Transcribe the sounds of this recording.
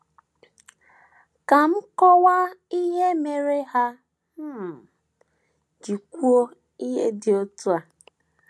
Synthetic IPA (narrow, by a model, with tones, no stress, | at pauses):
ka˨m̩˦kɔ˦wa˦i˦ɦe˦me˨ɾe˦ɦa˦ | m̩˦ | d͡ʒi˨kʷu˦o˦ | i˦ɦḛ˦dɪ˨o˦tu˦a˨